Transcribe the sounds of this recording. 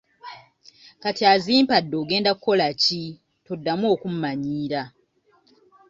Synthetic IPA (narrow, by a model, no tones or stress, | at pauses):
katiaziːmpadːo̞ːɡe̞ːndakuko̞laci | todːamuo̞ːkum̩maɲiːɾa